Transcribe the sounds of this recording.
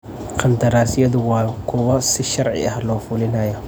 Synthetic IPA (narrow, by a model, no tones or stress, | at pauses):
qʰɑnd̪ɐɾaːsɪjɐðʊwɑːkʰʊwɐsɪʃɐrʕɪ̰ɐhlɔːfʊlɪnɐjɔ